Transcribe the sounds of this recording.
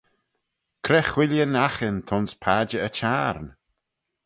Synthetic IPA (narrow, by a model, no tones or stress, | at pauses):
kʰɾɛxwɪljənaxɪnt̪ʰɔnspʰaːd͡ʒəət͡ʃʰaɾn